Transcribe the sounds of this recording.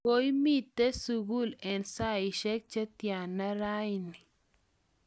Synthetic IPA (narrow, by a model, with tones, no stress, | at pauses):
o˦i˦mi˦t̪ːe˦su˨ɡu˦˨lɛ˨nsa˦i˨ʃɛ˦k̚t͡ʃɛ˦t̪ja˨nːa˦ɾa˦jni˨